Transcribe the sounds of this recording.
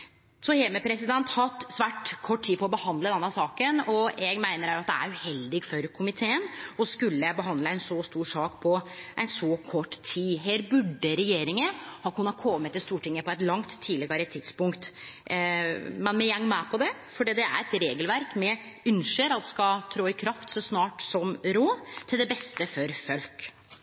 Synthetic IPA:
sɔheːməpʰɾɛsɪd̪ɛnt̪hɑt̪sʋæːʈkʰɔʈːʈʰːiːfɔɾɔbəhɑnd̪ləd̪ɛnːɑsɑːkənɔjæɡmæɪnəɾæɾjʊɑt̪̚d̪ɛæ̰ɾʉhɛld̪ɪɡfɔɾkʰʊmɪt̪ʰeːənɔskʉlːəbəɦɑnd̪ləæɪnsɔst̪uːʂɑːkpʰɔʔæɛɪnsɔkʰɔʈːt̪ʰiːɦeːɾbʉɖːəɾɛjeːɾɪŋəhɑkʰʉnːɑt̪kʰɔmːət̪ːɪlst̪uːʈɪŋːəpɔɛt̪lɑŋt̪ʰːiːlɪɡɑɾət̪ʰɪd̪spʊŋkt̪ | mɛnmɛjɛŋːmæpʰɔd̪ɛ | fɔɖiːd̪ɛæ̰ɾɛt̪ɾeːɡəlʋæɾkmɛʉnʂəɾɑt̪skɑt̪ʰɾoːɪkʰɾɑft̪sɔsnɑːʈsɔmɾoːt̪ʰɪld̪ɛbɛst̪əfɔɾfœlk

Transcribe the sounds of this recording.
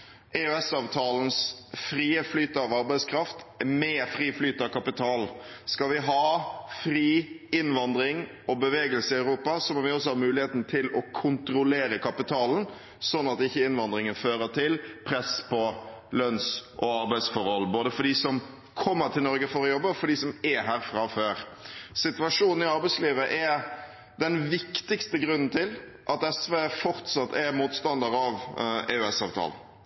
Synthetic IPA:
ʔɛʉɛsɑːʋt̪ʰɑːln̩sfɾiːəflyːt̪əɑʋɑɾbæɪskʰɾɑft̪mɛːfɾiːflyːt̪əɑʋkʰɑpɪt̪ʰɑːlskɑlʋɪɦɑːfɾiː | ɪnʋɑnd̪ɾɪŋ | ɔbəʋeːɡəlsəɪɑʉɾuːpɑsɔmɔʋɪɔsɔhɑmʉːlɪheːt̪nt̪ʰɪlɔkʰʊnt̪ɾʊleːɾəkʰɑpɪt̪ʰɑːln̩ | sɔnːɑt̪ɪçːəɪnʋɑnd̪ɾɪŋənføːɾət̪ʰɪlpʰɾɛspʰɔlœnsʔɔɑɾbæɪsfɔɾhɔlboːd̪əfɔɖiːsɔm | kʰɔmːəɾt̪ʰɪlnɔɾɡəfɔɾɔjɔbːəfɔɖisɔmɛɦæːɾfʁɑføːɾsɪt̪ʉɑʂuːnn̩ɪɑɾbæɪsliːʋəʔɛ | d̪ɛnʋɪkt̪ɪkst̪əɡɾʉnːn̩t̪ʰɪl | ʔɑt̪ɛsʋeːfɔɾt̪sɑt̪ːɛɾmuːt̪st̪ɑnd̪əɾɑʋeːʉɛsɑːʋt̪ʰɑ̰ːlən

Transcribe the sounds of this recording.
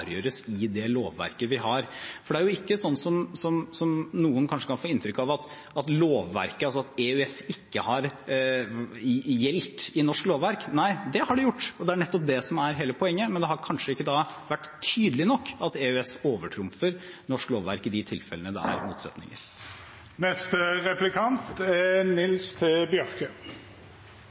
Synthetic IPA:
ɾjøːɾəsɪd̪ɛloːʋːæ̰ɾkəʋɪɦɑɾfɔɖɛæɾjʊɪkːəsɔnːsɔmsɔmsɔmnuːənkʰɑnʂəkɑnfoːɪnt̪ɾʏkːɑʋɑt̪ | ɑt̪loːʋːæ̰ɾkəɑlsɔɑt̪eʉɛsɪkːəhɑɾ | jɛlt̪ɪnɔʂkloːʋʋæɾknæɪd̪ɛhɑɖɛjʊʈːɔd̪ɛæɳɛt̪ːɔp̚d̪ɛsɔmæɾɦeːləpʰɔɛŋːəmɛnd̪ɛɦɑɾkʰɑnʂəɪkːəd̪ɑʋæʈːt̪ʰyːd̪əlɪnɔkːɑt̪eːʉɛsoːʋəʈʰɾʊmfəɾnɔʂkloːʋʋæ̰ɾkɪd̪ɪt̪ʰɪlfɛlənəd̪ɛ̰æ̰ɾmṵːt̪sɛt̪nɪ̰ŋə̰ɾ | nɛst̪əʁɛplɪkʰɑnt̪ɛnɪlst̪ʰɪbjœɾkə

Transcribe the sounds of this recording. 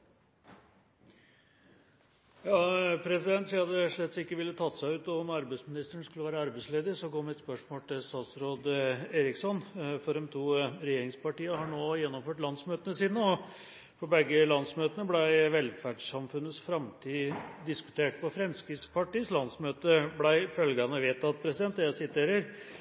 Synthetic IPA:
jɑːpʰɾɛsɪd̪ɛnt̪siːɑt̪d̪ɛʂɭɛt̪sɪkːəʋɪlːət̪ʰɑt̪ːsæɪʉːt̪ɔmɑɾbæɪsmɪnɪst̪əɳskʉləʋæːɾəɑɾbæɪsleːd̪əɾsɔɡoːmɪt̪spœʂmoːlt̪ʰɪlst̪ɑːt̪sɾoːd̪eːɾɪksɔnfɔɾɛmt̪ʰuːɾɛjeːɾɪŋspɑʈiːəhɑɳoːjɛnːɔmføːʈlɑnsmøːt̪ənəsiːnəɔ | fɔbɛɡːəlɑnsmøːt̪ənəblæɪʋɛlfæɖʂɑmfʉnːəsfɾɑmt̪ʰiːd̪ɪskʉ̥t̪ʰeːʈ̚pɔfɾɛmskɾɪspʰɑʈiːslɑnsmøːt̪əblæɪfœlɡɑnəʋeːt̪ːɑt̪̚pʰɾɛsɪd̪ɛnt̪d̪ɛjæɪsɪt̪ʰeːɾəɾ

